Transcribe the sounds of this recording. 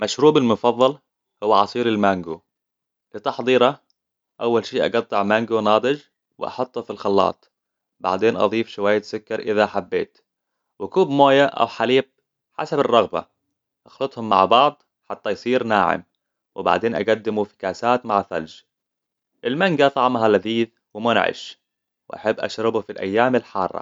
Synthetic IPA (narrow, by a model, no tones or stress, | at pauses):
maʃɾuːbɪlmʊfɑðˤːɑl | hʊwːaʕɑsˤiːɾɪlmaŋɡu | lɪt̪ɑħd̪ˤiːɾɑ | ʔawːalʃiːʔɑ̰ɡɑt̪ˤːɨʕmaŋɡunɑːd̪ˤɨd͡ʒ | wɪ̰ʔɑ̰ħʊt̪ˤːufilxɑlːɑ̰ːt̪ˤ | ba̰ʕd̪eːnʔɑ̰ðˤiːfʃʊwaːjːasʊkːɑɾˤʔɪðaħabːeːt̪ | wɪkuːbmoːjaʔa̰wħaliːb̚ | ħa̰sabɪrˤːɑɣba̰ | ʔɑxlɨt̪ˤhʊmːa̰ʕbɑʕd̪ˤ | ħat̪ːajsˤiːɾnaːʕɪ̰m | wɪba̰ʕd̪eːnʔa̰ɡad̪ːɪmufɪ̥kaːsaːt̪maʕfa̰ld͡ʒ | ʔɪlmaŋɡat̪ˤɑʕmɦalaðiːð | wɪmʊnʕɪ̰ʃ | wɪʔa̰ħabːʔa̰ʃɾɪbufilʔa̰jːaːmɪlħɑːrˤːɑ̰